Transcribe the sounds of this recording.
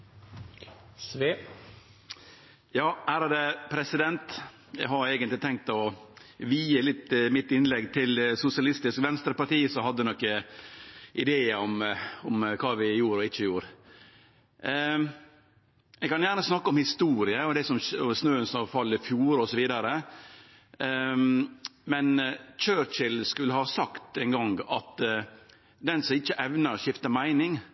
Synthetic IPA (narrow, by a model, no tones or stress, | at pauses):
sʋeː | jɑːhæːɾɑd̪ɛpʰɾɛsɪd̪ɛnt̪ | jɛ̰ɡɦɑɾeːɡənlɪt̪ʰɛŋk̚t̪ɔʋiːəlɪt̪ːmɪt̪ːɪnlɛɡt̪ʰɪlsʊsɪɑlɪst̪ɪskʋɛnst̪ɾəpɑʈiːsɔɦɑd̪ːɛnɔkːə | ʔɪd̪eːəɔmɔmkʰɑːʋɪjuːɾɔɪt͡ʃːəjuːɾ | ɛɡkɑnjæːɾnəsnɑkːəɔmhɪst̪uːɾɪəɔd̪ɛsɔmɔsnøːənsɔfɑlːɪfjuːɾɔsɔʋiːd̪ɑɾə | mɛnt͡ʃøːɾt͡ʃɪlskʉlːəhɑsɑkt̪ɛnɡɑŋɡɑt̪ | d̪ɛnsɔmɪt͡ʃːəʔɛʋnəɾʃɪft̪əmæɪnɪŋ